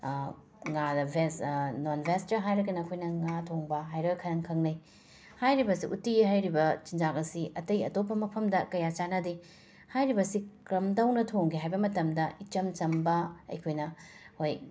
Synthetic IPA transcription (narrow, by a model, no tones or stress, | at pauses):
ŋadɐbʱesnonbʱestɐɦajɾɐɡɐnɐːkʰojnɐŋatʰoŋbɐɦajɾojkʰɐɾɐŋkʰɐŋnɐj | hajɾibɐsiʔṵtiɦajɾibɐt͡ʃind͡ʒakɐsiʔɐtɐjɐ̰topʰːɐmɐpʰɐmdɐkɐjat͡ʃanɐdi | hajɾibɐsikɾɐmdɐwnɐtʰoŋɡiɦajbɐmɐtɐmdɐit͡ʃɐmt͡ʃɐmbɐɐ̰jkʰojnɐhoj